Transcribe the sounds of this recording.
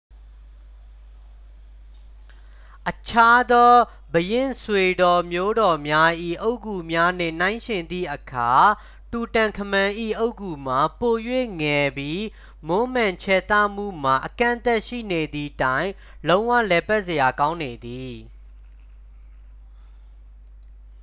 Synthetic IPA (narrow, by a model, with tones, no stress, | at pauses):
ʔət͡ɕʰa˦d̪ɔ˦ | bəjɪ̃˦˨nswe˨dɔ˨mjo˦ɾɔ˨mja˦ʔḭ˦˨ʔo˦ʊʔku˨mja˦n̥ɪ̰̃˦˨nã˦ɪ̃ʃɪ̃˨nd̪ðḭ˦˨ʔəkʰa˨ | tu˨tã˨ŋkʰəmã˨ʔḭ˦˨ʔo˦ʊʔku˨m̥a˨po˨jwe˦˨ŋɛ˨bji˦ | mo˦mã˨ɲt͡ɕʰɛ˨t̪a˦˨m̥ṵ˦˨m̥a˨ʔəkã̰˦˨nt̪ɛ˦ʔʃḭ˦˨ne˨d̪ði˨tã˦ɪ̃ | lõ˦ʊ̃wä̰˦˨lɛ˨pɛ˦ʔsə˨ja˨kã˦ʊ̃ne˨d̪i˨